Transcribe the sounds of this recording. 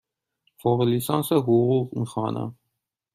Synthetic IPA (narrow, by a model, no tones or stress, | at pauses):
χɔʁəlisɑnsəɦuʁuʁnχɑnɑ̰